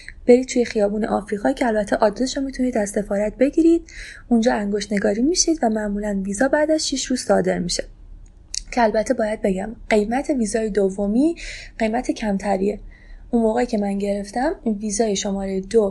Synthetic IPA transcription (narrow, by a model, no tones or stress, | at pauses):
b̥e̞ɾiːt̪t̪ʰuje̞xijɒːbuːneʔɒːfɾiːɣɒːcʰeælbæt̪ʰːeʔɒːd̪ːesʃomit̪ʰuniːd̪æzse̞fɒːɾæt̪̚be̞ɟiːɾiːd̪̥und͡ʒɒːæŋɡoʃt̪ne̞ɡɒːɾiːmiːʃid̪væmæʔmuːlænviːzɒːbæːd̪æʃʃiʃɾuːz̥sɒːd̪e̞ɾmiʃe | cʰeælbæt̪ʰːe̞bɒːjæd̪̚be̞ɡæmɢ̥e̞jmæt̪ʰe̞viːzɒːjed̪ovːo̞miːɢe̞jmæt̪ʰe̞cʰæmt̪ʰæɾḭːe̞ | unmoːɣeicʰe̞mænɟe̞ɾe̞ft̪æmiviːzɒːjeʃo̞mɒːɾejed̪o